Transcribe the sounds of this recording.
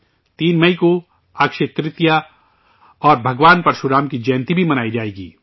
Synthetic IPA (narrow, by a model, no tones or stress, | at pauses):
t̪iːnmɐiko | akʃet̪ɾɪt̪ja | ɔːɾbʱɐɡʋaːnpɐɾʃʊɾaːmkid͡ʒɛːnt̪ibʱimɐnaːid͡ʒaːeːɡḭː